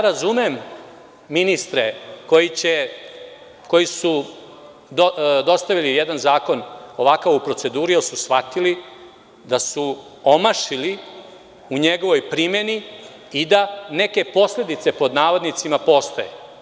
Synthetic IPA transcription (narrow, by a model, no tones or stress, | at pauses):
ɾazumemː | inist̪ɾeko̞jit͡ɕe | ko̞jisu | d̪od̪o̞st̪aʋilijɛd̪anzaːko̞no̞ʋakaʋupɾo̞t̪se̞d̪uːɾiosusxʋat̪ili | d̪asu | omaʃili | uɲeɡo̞ʋo̞jpɾime̞ni | id̪ane̞ke̞po̞sle̞d̪it̪se̞po̞d̪naːʋod̪nit̪simapo̞ːst̪ojḛ